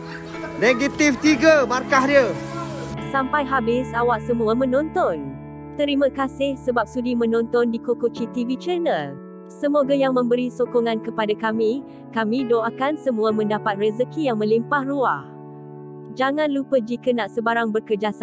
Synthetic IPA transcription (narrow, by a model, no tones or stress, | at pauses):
neɡit̪ift̪iɡəmarkaɦdiə | sampajɦabɪsawaʔsəmuamə̃nɔnt̪ɔn | t̪əɾiməkasɪhsəbap̚sudimə̃nɔnt̪ɔndikokot͡ʃit̪ivit͡ʃənəl | səmoɡajaŋmə̃mbəɾisokɔŋãnkəpadakamĩ | kamĩdoakansəmũamə̃ndapat̪̚rɛzəkijaŋmə̃limpahruah | d͡ʒaŋãnlupəd͡ʒikənaʔsəbaɾaŋbərkəd͡ʒasa